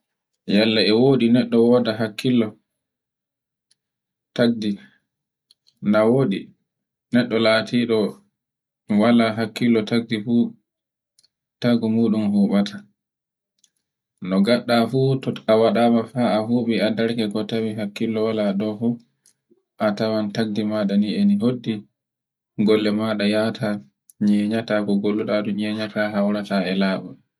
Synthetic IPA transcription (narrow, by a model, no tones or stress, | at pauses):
jalːaɛwoːɗinɛɗːɔwɔdaɦakːilːɔ | taɡ̚di | nawoɗi | nɛɗːɔlaːtʰiːɗɔ | walaɦakːilːɔtaɡ̚difuː | taɡɔmuːɗumhuːɓatʰa | nɔɡaɗːafuːtɔawaɗamafaaɦuːɓiadaɾkɛkɔtawiɦakːilːɔwalaɗɔfu | ʔatawantaɡdimaɗaniɛniɦodːi | ɡɔlːɛmaɗajatʰa | ɲɛɲatakɔɡolːuɗaɗuɲɛɲataɦawɾataɛlaːɓɔ